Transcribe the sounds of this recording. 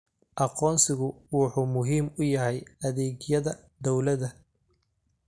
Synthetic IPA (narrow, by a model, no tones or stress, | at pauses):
ʔɑqɔːnsɪɣʊwɑħuːmʊɦiːmʊjɐɦɛjɐðɛːɡjɐðɐ | d̪ɔwlɐðɐ